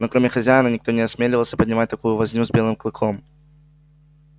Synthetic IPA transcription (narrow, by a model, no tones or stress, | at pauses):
nokɾomʲɪxɐzʲæjɪnənʲɪk̚t̪o̞nʲɪɐsmʲelʲɪvəlˠsʲəpədʲnʲɪmat̚ʲt̪ɐkujʊvɐzʲnʲuzbʲe̞lˠɨmklˠɨkʰo̞m